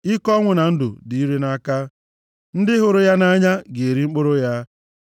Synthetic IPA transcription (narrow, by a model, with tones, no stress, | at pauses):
i˦kɔ˦ŋʷʊ˨na˨n̩˦dʊ̰˨di˨i˦ɾe˦na˦ka˦ | n̩˦dɪ˦ɦʊ˨ɾʊ˦ja˦na˦ɲa˦ɡe˨e˨ɾi˦ŋ͡m̩˦k͡pʊ˦ɾʊ˦ja˦